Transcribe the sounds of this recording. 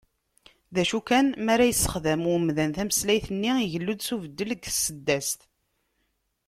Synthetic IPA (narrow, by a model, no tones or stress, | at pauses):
ðæʃukænmæɾæjəsːə̥χðæmʊmðænθæməslæjθənːiiʝəlːud̪suvəd̪ːəlɡsːəd̪ːæst̪